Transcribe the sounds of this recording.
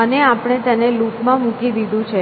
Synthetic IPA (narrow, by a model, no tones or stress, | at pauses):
əneapɽ̃et̪ənelupmãmũkid̪id̪ʱũt͡ʃʰe